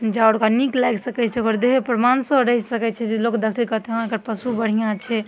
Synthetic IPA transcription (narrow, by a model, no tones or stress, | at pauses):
d͡ʒaoɾkaniklajɡsəkɛt͡ʃʰɛoɡəɾd̪eɦepɾmansəɾəɦisəkɛt͡ʃʰɛd͡ʒelokd̪əkʰt̪ikət̪eɦkəɾpəsubəɽ̤ijãt͡ʃʰɛ